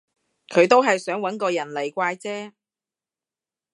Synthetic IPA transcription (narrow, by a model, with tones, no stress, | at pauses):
kʰɵ˨˧ɥt̪o˥wɦɐ˨jsœː˨˥ŋwɐ˨˥nkɔː˧jɐ˨˩nle˨˩jkʷaː˧jt͡sɛː˥